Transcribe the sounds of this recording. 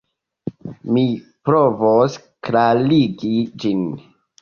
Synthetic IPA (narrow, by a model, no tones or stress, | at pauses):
mipɾovos | kɾaliɡid͡ʒin